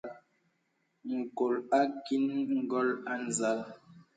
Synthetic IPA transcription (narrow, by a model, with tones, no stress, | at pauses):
ŋ̩˨ko˨la˦ki˦nŋŋ̩˦ɡɔ˦la˦n˨za˦l